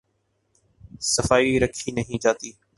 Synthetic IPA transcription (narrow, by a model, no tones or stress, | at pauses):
səfaːiɾəkʰinəɦĩːd͡ʒaːt̪iː